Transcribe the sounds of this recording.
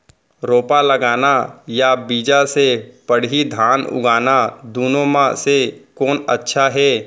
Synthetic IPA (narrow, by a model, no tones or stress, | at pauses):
ɾoːpaləɡaːnajabiːd͡ʒasepəɽɦid̪ʱaːnʊ̰ɡaːnad̪uːnomãsekɔːnətːʃʰaɦɛː